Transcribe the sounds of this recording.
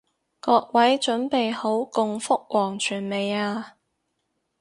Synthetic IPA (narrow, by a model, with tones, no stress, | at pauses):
kɔː˧k̚wɐ˨˥jt͡ʃɵ˨˥npe˨jho˨˥wkʊ˨˧ŋfʊ˥k̚wɔː˨˩ŋt͡ʃʰyː˨˩nme˨jaː˧